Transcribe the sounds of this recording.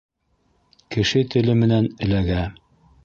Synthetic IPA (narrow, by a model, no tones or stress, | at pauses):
kɘ̆ʃɘt̪ɘ̆lɘmɘ̆nænɘ̆læɡæ